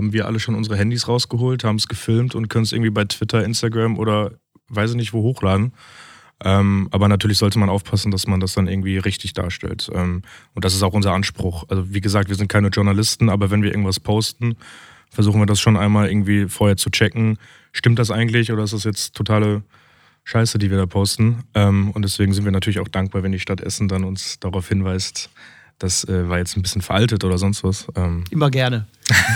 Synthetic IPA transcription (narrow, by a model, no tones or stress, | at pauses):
haːbm̩viːɐʔa̰ləʃoːnʊnzəʁəɦɛndisʁaʊsɡ̥əɦoːlthaːbm̩sɡ̥əfɪlmtʊntkʰœnəns̬ɪ̰ɐɡŋ̩tv̥iːbaɪtv̥ɪtʰɐɪnstaɡʁamʔo̰ːɾɐ | vaɪs̬ɪçnɪçtv̥oːhoːxlaːdn̩ | ʔɛːmʔaːbɐnatʰyːɐlɪçz̥ɔltəmanʔaʊfpʰasn̩dasmandasd̥anʔɪɐɡŋ̩tv̥iːʁɪçtɪçd̥a̰ːɐʃtɛ̰ltʔɛ̰ːmʔʊnt̚d̥as̬ɪs̬taʊxʔʊnzɐʔanʃpʁ̥ʊxʔalzoviːɡəzaːk̚tviːɐzɪnt̚kʰaɪnəʒʊɐnalɪstn̩aːbɐvɛnviɐɪ̰ɐɡŋ̩tvaspʰoʊstn̩ | fɛɐzuːxn̩viːɐdasʃoːnʔaɪnmaːlɪ̰ɐɡŋ̩tv̥iːfoːɐheːɐt͡sut͡ʃɛkŋ̩ | ʃtɪmtd̥as̬ʔaɪɡŋ̩tlɪçʔoːɾɐɪs̬td̥asjɛt͡stʰːotʰaːlə | ʃaɪsədiːviːɐdaːpʰoʊstn̩ʔɛːmʊntd̥ɛsv̥eːɡŋ̩zɪntviɐnatʰyːɐlɪçaʊxd̥aŋk̚b̥aːɐvɛndiːʃtatʔɛ̰sn̩danʊnsd̥aʁaʊfhɪnvaɪst | d̥asʔɛːvaːɐjɛt͡stnbɪsçənfɛɐʔaltətʔoːɾɐzɔnstv̥asʔɛːmʔɪmɐɡɛɐnə